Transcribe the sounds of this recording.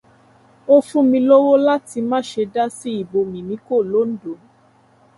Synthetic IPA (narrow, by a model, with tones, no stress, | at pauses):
o˦˧fũ˦mĩ˧lo˦wo˦la˦ti˧mãː˦ʃe˧da˦si˦i˦˨bo˧mĩ˨nĩ˨˦ko˦˨lo˦n̩˦do˨˦